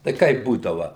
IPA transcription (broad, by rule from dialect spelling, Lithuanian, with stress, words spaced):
tɐɪ ˈkɐɪp ˈbuːdɐʋɐ